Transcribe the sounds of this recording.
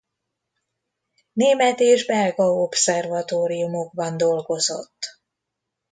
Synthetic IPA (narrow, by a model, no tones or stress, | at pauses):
neːmɛt̪eːʒbɛlɡɒo̞psɛrvɒt̪oːɾijumo̞ɡ̚bɒnd̪o̞lɡo̞zo̞̰t̪ː